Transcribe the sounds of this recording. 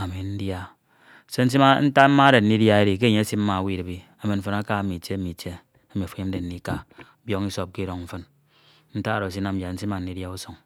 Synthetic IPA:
a˨mi˨n̩˦dja˦ | se˦n̩˦s̬i˦ma˦n̩˦ta˦m̩˦ma˦ɾe˨n̩ː˦i˦dja˦e˦ɾi˨k̬e˦˨ɲe˦a˦si˦m̩˦ma˨wi˦ɾe˨bi˨ | a˨mi˨n̩˦fɨ˨na˦ka˦mi˨t͡ʃe˦mi˨t͡ʃe˦ | a˦mi˨a˨fu˨˦i˦m̩˦e˨n̩˦ni˦ka˦ | bjo˦ŋi˦so˦p̚ki˦ɾo˨ŋm̩˦fɨ˦n | n̩˦ta˦˨ɾo˨si˦na˦m̩˦bja˨n̩˦si˦ma˨n̩ː˨˦i˦dja˦u˦so˨ŋ

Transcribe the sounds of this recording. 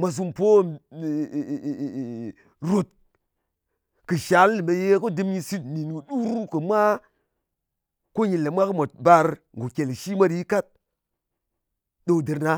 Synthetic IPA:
mʷa˨s̬u˦mpo˦˨ | ɾo˨t̚ | kɨ˨ʃa˨˦lːme˨je˦ko˦dɨ˦mɲi˧si˦t̚ni˨n˨ɡu˨ɗu˦ɾu˦kɨ˨mʷa˦ | ko˦ɲi˨lːe˨mʷa˦kɨ˦mo˨t̚ba˦ɾ | ŋɡo˨kʲe˨lʃi˦mʷa˦ɾji˦ka˦t̚ | ɗo˦˨di˨ɾna˦

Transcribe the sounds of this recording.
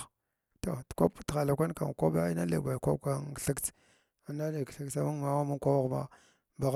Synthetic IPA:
to˨tkʷa˦ptxa˨la˨kʷa˦n˦ka̰˨ŋ˨kʷa˦ba˦i˦na˦lḛ˨ɡʷa˨kʷa˦ka˦ŋ˨ɬi˦kt͡s | a˨na˦li˨kɬə˦ksa˦mu˦ŋ˨ma˦wa˦mu˦ŋkʷa˦wa˦ɣma̰˦ | ba˨ɣ

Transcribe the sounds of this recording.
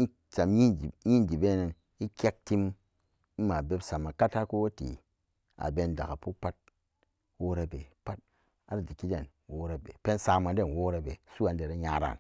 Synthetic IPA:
n˦ | t͡ʃa˨mji˦˨ji˦n˨di˨be˦ne˨n | i˦kʲe˦k̚ti˦m̩˦ | ma˨be˦psa˨ma˨ka˦ta˦ku˦wo˦tḭ˨ | a̰˨be˧nda˨ka˨pu˦pa˦t̚ | wo˦ɾa˦be˨pa˦t̚ | a˦ɾa˨di˨ki˦de˦˨n | wo˦ɾa˨bḛ˨pe˦nsa˧ma˨de˦˨nwo˦ɾa˦be˨su˦a˨n˦de˨ɾe˦ɲa˨˦ɾa̰˨n

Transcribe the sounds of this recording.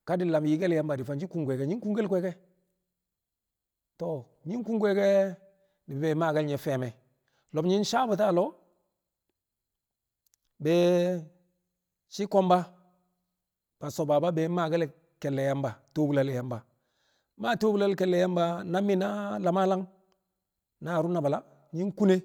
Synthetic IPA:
ka˦di˦la˨m˨ji˨˦ɡe˦la˦mba˨di˨fa˨nt͡ʃi˦ku˨ŋɡʷɛ˨kɛ˨ɲi˦ku˦ŋɡe˦lkʷɛ˦kɛ˦ | to˨ | ɲi˦ŋ˦ku˦ŋɡʷe˦kɛ˦ | ni˨bbɛ˨˦ma˨ɡa˦lɲɛ˨fɛ˨mɛ˨ | lɔ˨bɲi˦n˦ʃa˦bu˨ta˦˨lɔ˦ | bɛ˨ | t͡ʃi˦kɔ˦mba˦ | b̥a˨so˨ba˨ba˦beː˨˦ma˨ɡa˦l | ke˨lːe˨ja˦mba˨to˦bu˨la˦lja˨mba˨ | ma˦to˦bu˦la˦lke˨lːe˨ja˦mba˦na˦mːi˦na˦la˨ma˦la˦ŋ | na˨ɾu˦na˨ba˨la˦ | ɲi˦ŋku˦ne˦

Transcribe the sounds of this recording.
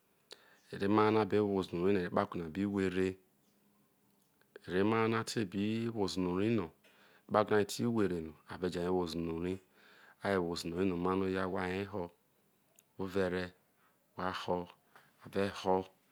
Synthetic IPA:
e˨ɾe˦ma˦na˦˨be˦wo˨zno˨ɾi˦no˨ɾe˨˦k͡pa˦kʷu˨n˨a˨bi˦we˨ɾe˦ | e˨ɾe˦ma˦na˦tʰe˦˨bi˦wo˨zno˨ɾi˦no˨˦ | k͡pa˦ɡna˨i˨tʰi˦we˨ɾe˨no˨a˨be˨d͡ʒa˨e˦wo˨zu˨no˨ɾi˦ | a˦je˨wo˨zu˨no˨ɾi˦no˨ma˦no˦ja˦wa˦˨e˦ɦo˦ | wo˦ve˨ɾe˦˨ | wa˦ho˦ | a˨ve˦ho˦

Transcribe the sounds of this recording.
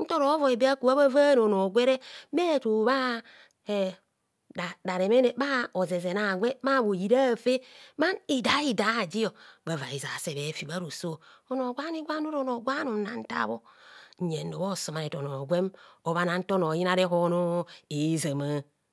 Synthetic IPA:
n̩˦to˦ɾo˦vo˨e˨be˦a˦ku˨βa˦βa˦va˦no˨no˨ɡʷe˦ɾe˦me˦˨to˨βa˦ | e˨ | da˨da˨ɾe˨me˦ne˨ba˦o˨ze˨ze˨na˨ɡʷe˦ma˦˨bo˨ji˨ɾa˦˨fe˦ma˦ni˨da˨˦i˨da˨˦˨d͡ʒi˦jo˨ba˨va˨i˨za̰˨se˨βe˨˦fi˨ba˦ɾo˨so˦˨o˨no˨ɡʷa˦ni˦ɡʷa˦no˦ɾo˨no˨ɡʷa˦no˨˦a˨n̩˦ta̰˦˨bo˦˨ɲe˨n˦do˨bo˦˨so˨ma˨ne˨to˨no˨ɡʷe˦mo˨βa˦na˨n̩˦to˦no˨ji˦na˦ɾe˦ɦo˦no˦e˨˦za˨ma˦

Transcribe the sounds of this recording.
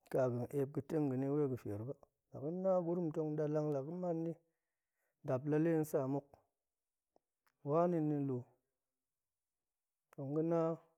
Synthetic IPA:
ka˨ɡɨ˨n˨ʔe˨p̚ɡɨ˨te˦ŋɡɨ˨ni˦we˦˨ɡə˨fe˨ɾba˦ | la˨ki˦na˦ɡu˦ɾu˦m˨to˧ŋ˦da˨la˦ŋla˨ki˦ma˦nːi˦ | da˨bla˦le˦n̩˦sa˦˨mu˦k̚ | wa˦ni˦nːi˧˦lu˨ | to˨ŋɡu˦na˦

